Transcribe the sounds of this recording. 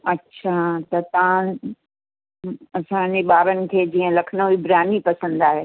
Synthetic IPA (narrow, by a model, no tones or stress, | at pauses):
ɐtːɕʰat̪ɐt̪ː | ɐsãɲd͡ʑeɓaːɾənɪ̆kʰeːd͡ʑiːə̃lɐkʰnoibɾjaːnipɐsə̃nd̪aːɦeː